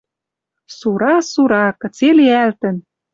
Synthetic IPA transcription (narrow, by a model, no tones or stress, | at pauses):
suɾɑsuɾɑkɤ̆t͡seliælt̪ə̆n